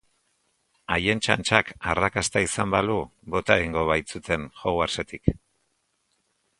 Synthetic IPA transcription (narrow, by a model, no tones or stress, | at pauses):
aje̞nt͡ʃa̰nt͡ʃakarakast̪aisambalubo̞t̪aɣiŋɡo̞βajt͡sut̪ʰe̞nxoɣwaɾse̞t̪ik